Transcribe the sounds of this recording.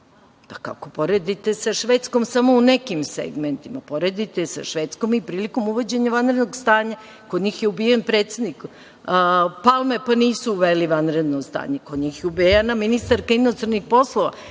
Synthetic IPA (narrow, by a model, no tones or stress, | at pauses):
paka̰ko̞po̞ɾed̪it̪e̞saʃʋet̪sko̞msamo̞unekimsḛɡment̪imapo̞ɾed̪it̪esa̰ʃʋet̪sko̞mipɾiːliko̞muʋod͡ʑeɲaʋanɾed̪noɡst̪aːɲa | kod̪ɲixjeubijenpɾeːt̪sed̪nik | palˠmepaniːsuːʋeliʋanɾe̞d̪nost̪a̰ːɲekod̪ɲixjeubijanaminist̪aɾkainost̪ɾanixpo̞slˠoʋa̰